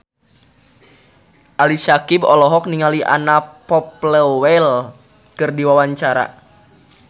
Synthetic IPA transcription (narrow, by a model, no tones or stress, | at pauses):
ʔalisakibɔlɔɦɔk̚niŋaliʔa̰napɔpləwɛl | kɨrdiwawaɲt͡ʃaɾa̰